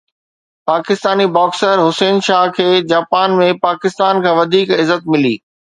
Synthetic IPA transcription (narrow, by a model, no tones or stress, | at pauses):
paːkɪst̪aːnibɔːksəɾɦʊseːnʃaːɦkʰeːd͡ʑaːpaːnmẽpaːkɪst̪aːnkʰãːʋɐd̪ʱiːkɪzət̪̚mɪliː